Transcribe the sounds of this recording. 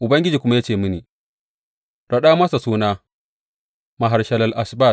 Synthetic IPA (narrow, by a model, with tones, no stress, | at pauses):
ʔʊ˨bɐ˦ŋɡʲɪ˦d͡ʒiː˨kʷʊ˦ma˦ja˦t͡ʃeː˨mɨ˦niː˨ | ɾa˨ɗaː˦mɐ˦sa˨suː˦naː˦ | ma˨ɦa˨ɾʃɐ˦lɐ˨lʔa˨sba˦˨